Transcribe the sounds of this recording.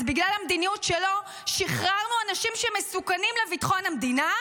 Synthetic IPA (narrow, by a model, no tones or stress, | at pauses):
zbiɡlalamd̪inijutʃelo̞ | ʃiχʁalnuanaʃimʃemesukanimlevitḁχo̞namdina